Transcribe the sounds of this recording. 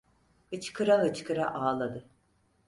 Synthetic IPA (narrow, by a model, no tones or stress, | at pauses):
hɯt͡ʃkʰɯɾaɦɯt͡ʃkʰɯɾa̰ʔaːlˠad̪ɯ